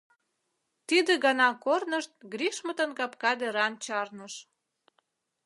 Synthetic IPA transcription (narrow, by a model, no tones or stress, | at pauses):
t̪id̪eɡɑnɑkornəʃt̪̚ɡɾiʃmə̆t̪ənkɑpkɑd̪eɾɑnt͡ɕɑrnəʃ